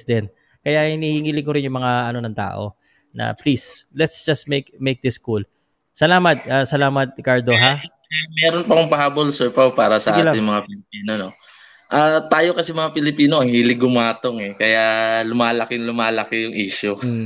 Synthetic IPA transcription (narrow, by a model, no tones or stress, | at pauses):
d̪ɛn | kɐjahɪniːhɪŋilɪŋkoɾɪnjʊŋmɐŋaɐno̞nɐŋt̪a̰ːʔo̞̰ | nɐ̰plislɛt̪sd͡ʒɐst̪mekmejk̚d̪ɪskul | sɐlaːmɐt̪̚ʔasɐlaːmɐt̪̚kaɹd̪o̞ɦa | mɛːɾonpɐkʊŋpɐhaːbolsɛɹpɐpaːɾɐsɐʔʔalɪnmɐŋapɪlɪpiːnono | ʔaːt̪aːjo̞kɐsɛmɐŋapɪlɪpiːnoʔɐŋhiːlɪɡʊmaːt̪oŋɛkɐjalʊmaːlɐkɪnlʊmaːlɐkɪjʊŋʔiːʃʊ